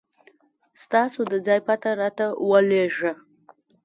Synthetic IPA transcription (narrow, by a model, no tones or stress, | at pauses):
stasudɨd͡zajpʰatʰaɾatawaleʒa